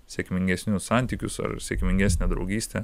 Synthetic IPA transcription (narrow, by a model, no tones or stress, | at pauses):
sʲɛkmʲɪŋʲɡʲɛsʲnʲʊssɑˑnʲt̪ʲikʲʊsɐ̰ɾsʲɛkmʲɪŋʲɡʲæːsʲnʲed̪ɾɒ̰ʊɡʲiːsʲt̪ʲe